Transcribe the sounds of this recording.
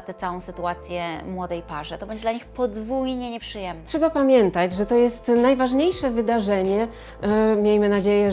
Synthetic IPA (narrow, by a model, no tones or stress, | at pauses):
t̪ɛt̪sawɔ̃w̃sɘt̪uat̪sʲjɛmwɔd̪ɛjpaʐɛt̪ɔbɛɲd͡ʑɛd̪laɲixpɔd̪vujɲɛɲɛpʂɨjɛmtʂɛbapamʲjɛnt̪ad͡ʑʐɛt̪ɔjɛst̪najvaʐɲejʂɛvɘd̪aʐɛɲɛ | mʲjejmɘnad͡ʑejɛ